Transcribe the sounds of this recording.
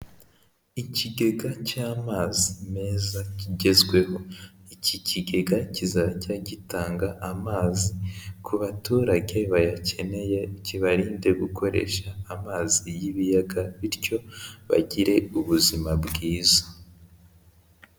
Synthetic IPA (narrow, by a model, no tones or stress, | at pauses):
iciɡe̞ɡacaːmaːzime̞ːzaciɟe̞zɡwe̞ho̞iciciɡe̞ɡacizacaɟitaːŋɡaʔamaːzikʰuβatuːɾaɟe̞βajace̞ne̞je̞ciβaɾiːnde̞ɡukʰo̞ɾe̞̰ʃaːmaːzijiβijaɡaβiɾco̞βa̰ɟiɾe̞uβuzimabɡiːzḁ